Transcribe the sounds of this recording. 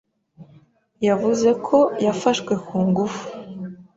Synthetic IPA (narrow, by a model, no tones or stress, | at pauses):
javuze̞kʰo̞jafaʃkwekuːŋɡufu̥